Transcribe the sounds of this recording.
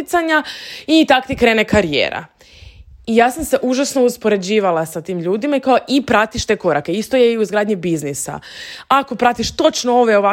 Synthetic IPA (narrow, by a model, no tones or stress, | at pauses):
it̪saɲait̪akt̪ikɾe̞ːnekaɾijḛːɾa̰ | ijaːsamse̞ʔuʒasno̞uspo̞ɾe̞d͡ʑiːʋalasat̪iːmʎuːd̪imaikaoʔipɾat̪iʃt̪e̞ːko̞ɾake̞ist̪o̞je̞iuzɡɾaːd̪ɲibiznisa̰ako̞pɾat̪iʃt̪o̞t͡ʃnooʋeo̞ʋa